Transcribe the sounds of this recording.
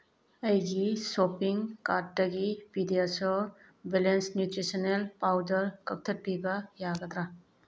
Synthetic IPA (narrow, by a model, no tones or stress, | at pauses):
ɐjɡisopiŋkatːɐɡibidiasɔ | belensnjutɾisɔnelpawdəɾkɐk̚t̪ʰɐt̚piɡajaɡat̪ɾa